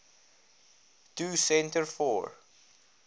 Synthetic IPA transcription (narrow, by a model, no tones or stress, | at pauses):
tʰuːsɛ̃ntəɹfɔ̰ːɹ